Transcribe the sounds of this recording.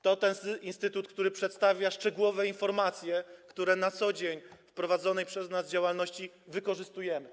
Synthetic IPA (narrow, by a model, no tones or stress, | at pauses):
t̪ɔt̪ɛnsʔinst̪ɘt̪ut̪̚kt̪uɾɘpʂɛt̪st̪avʲjaʂt͡ʂɛɡuwɔvɛinfɔɾmat̪sʲjɛkt̪uɾɛnat̪sɔd͡ʑeɲfpɾɔvad̪zɔnɛjpʂɛznazd͡ʑawalnɔɕt͡ɕi | vɘkɔʐɘst̪ujɛmɘ